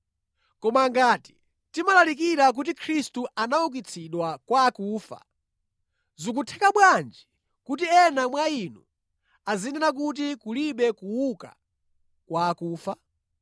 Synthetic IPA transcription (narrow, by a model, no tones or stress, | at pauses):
kɔmaŋɡaːti̥ | timalalik̬iɾak̬ut̬ikʰɾistuanauk̬it͡sʰiɗwakwaːkuːfa̰ | zuk̬utʰɛkaɓwand͡ʒi | kutiɛnamwainu | azinɛnak̬ut̬ikuliɓɛkuwuka̰ | kwaːkuːfa